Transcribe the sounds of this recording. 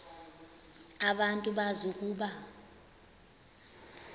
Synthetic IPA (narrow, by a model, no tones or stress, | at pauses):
aɓantʼuɓazuk̬ʼuːɓa